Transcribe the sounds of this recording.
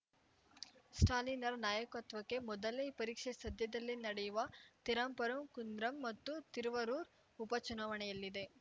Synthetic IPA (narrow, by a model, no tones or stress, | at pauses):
sʈaːlinɐɾnaːjɐkuɐt̪ʋɐkːe̞mɔd̪ɐlepɐɾiːkʂesɐd̪ʱjɐd̪ɐlːinɐɽejuʋɐt̪iɾaːmpɐɾɐmkund̪ɾɐmːɐt̪ːut̪iɾʋɐɾuːɾ | upɐt͡ʃunaːʋɐnɛjɐlːid̪e̞